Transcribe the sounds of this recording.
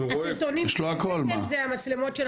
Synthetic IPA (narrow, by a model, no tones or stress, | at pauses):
asiʁt̪onijʃloakolmazeamat͡slemo̞tʃe